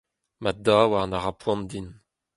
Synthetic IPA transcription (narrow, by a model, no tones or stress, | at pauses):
mad̪aːwanaʁapwɔ̃nd̪in